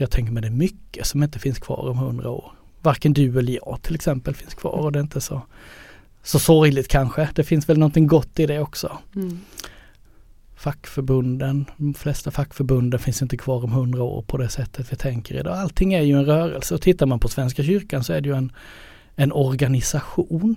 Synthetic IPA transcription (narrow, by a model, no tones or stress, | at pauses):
jɑːɡ̚t̪ʰɛŋk̬əɾmɛɪd̪ɛmʏkːəsɔmɪnt̪ə̥fɪnskʰv̥ɑ̰ːɾɔmhɵnd̪ɾao̰ːɾ | vaɾkənd̪ɵɛləjɑ̰ːɡt̪ʰɪlɛksɛmpəlfɪnskʰvɑ̰ːɾɔd̪ɛɪnt̪əsɔ | sɔsɔɾjlɪt̪̚kʰanɧəd̪̥ɛfɪnsvɛlnɔnt̪ɪŋɡɔt̪ːɪd̪ɛɔksɔ | fakːfœɾbɵnd̪ənd̪ɔmflɛst̪afakːfœɾbɵnd̪ənfɪnsɪnt̪əkʰvɑːɾɔmɦɵnd̪ɾao̰ːɾpʰɔd̪ɛsɛt̪ʰːət̪vɪt̪ʰɛŋkəɾɪ̰d̪ɑ̰alt̪ʰɪŋːæɾjɵɛnɾœːɾə̰lsəɔt̪ʰɪt̪ːaɾmanpʰɔsvɛnskaɕʏɾkansɔæɖɛjɵɛn | ɛnɔɾɡanɪsaɧuːn